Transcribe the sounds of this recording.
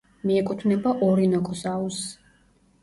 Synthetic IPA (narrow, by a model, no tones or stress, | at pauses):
miɛkʼut̪ʰvnɛbaʔɔɾinɔkʼɔzaus